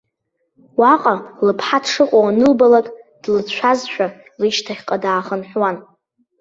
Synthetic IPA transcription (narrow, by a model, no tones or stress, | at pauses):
waqʼalɨpʰħatʰʂɨqʷʼawanɨlbalakʼd̥lɨt͡ɕʷʰazʃᶣa | riʃtʰaχʲqʼadaːχənħʷwan